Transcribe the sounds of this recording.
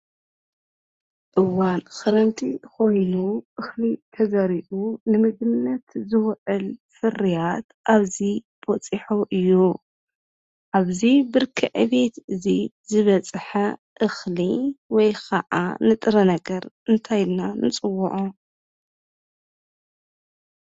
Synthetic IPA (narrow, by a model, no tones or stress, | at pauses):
ʔɨwanxɨɾɐnt̪ʰiko̞jnuʔɨxlit̪ʰɐzɐɾiʔunɨmɨɡ̪ɨnːɐt̪zɨwʕɨlfɨrijat̪ʔaβzibɔt͡sʼiħoʔɨjːu | ʔaβzibɨɾkʰɨʕɨβe̞t̪ɨzizɨβɐt͡sʼħɐ | ʔɨxliwɔjkʰaʔa̰nɨt̪ʼɨɾɐnɐɡɐɾ | ɨnt̪ʰajɪlnanɨt͡sʼɨwːuʕu